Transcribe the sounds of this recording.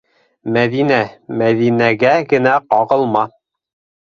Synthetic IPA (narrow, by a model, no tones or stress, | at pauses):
mæðinæmæðinæɡæɡɘ̆næqɑʁɤ̆lˠmɑ